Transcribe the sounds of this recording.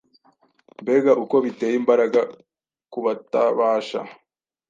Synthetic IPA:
mbe̞ɡaʔuko̞βite̞ːjimbaɾaɡa | kuβataβaːʃa̰

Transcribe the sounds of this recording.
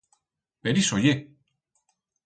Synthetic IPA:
peɾisoje

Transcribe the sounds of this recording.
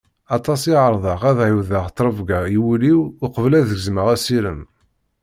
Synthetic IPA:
ɑt̪ˤɑsiʕəɾˤðˤɑʁæðʕiwðəʁt̪ˤːɾˤəvɡaiwliwʊqəvlæðəɡzməʁæsiɾəm

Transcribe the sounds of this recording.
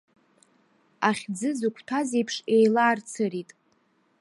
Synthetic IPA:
aχʲd͡zɨzukʷʰtʰazejpʰʂejlaːrt͡sʰɨritʼ

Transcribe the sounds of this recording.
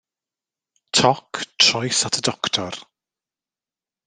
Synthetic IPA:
tʰɔkʰtʰrɔjsatʰədɔktʰɔr

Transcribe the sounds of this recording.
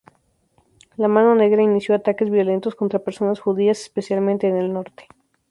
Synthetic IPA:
lamãno̞ne̞ɣɾainisjo̞at̪akezβjo̞le̞nt̪o̞sko̞nt̪ɾape̞ɾso̞nasxuðiasespe̞sjalmẽnt̪e̞ːne̞lno̞ɾt̪e̥

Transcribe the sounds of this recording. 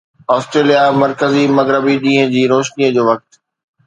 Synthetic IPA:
ɔːsʈɾeːlijamɐɾkəzimɐɣɾəbiɗĩːɦə̃d͡ʑiːɾoːʃniəd͡ʑoːʋɐk̚t̪

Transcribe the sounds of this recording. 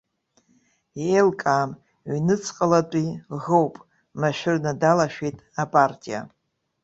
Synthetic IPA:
iejlkʼaːm | ɥnɨt͡sʰqʼəlat͡pʼiʁowpʼ | maʃᶣɪrnadalaʃᶣejtʼapʼartʼija̰

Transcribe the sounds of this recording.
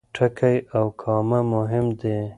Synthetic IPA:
ʈʰakʰajawkʰɑmamʊɦɪmd̪e

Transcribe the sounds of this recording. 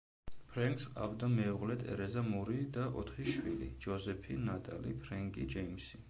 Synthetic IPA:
pʰɾɛŋkʰsqʼa̰vd̪amɛuʁlɛt̪ʰɛ̰ɾɛzamuɾid̪aʔɔ̰t̪ʰχiʃwilḭd͡ʒɔzɛpʰinat̪ʼalḭpʰɾɛŋkʼid͡ʒɛimsi

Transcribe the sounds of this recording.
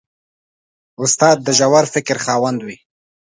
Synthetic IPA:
ʊst̪ɑd̪̚ːəʒawaɾfɪkɾχɑːwand̪wi

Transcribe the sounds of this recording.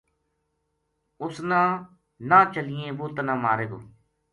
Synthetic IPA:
ʊsnãː | nãːt͡ʃəlɪjẽːboːt̪nãːmaːɾeːɡo̰ː

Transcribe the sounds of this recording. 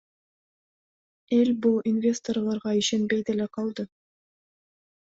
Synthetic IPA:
e̞lʲbulˠinvʲe̞st̪oɾlˠɑɾʁɑiʃe̞nbejd̪eleqʰɑlˠd̪ɯ

